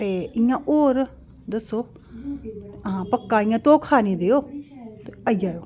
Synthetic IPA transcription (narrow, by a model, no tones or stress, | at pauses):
t̪eːɪjãːʔoːɾ | d̪əsːoː | pəkːaːɪjãːt̪õːkʰaːnĩːd̪eːoːt̪eəjaːjoː